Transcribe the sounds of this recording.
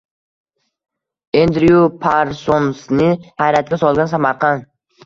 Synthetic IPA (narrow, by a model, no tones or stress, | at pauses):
end̪ɾiupʰaɾsonsnɪhajɾæt̪̚kʲasɒlˠɡɑns̬amɑɾqɑn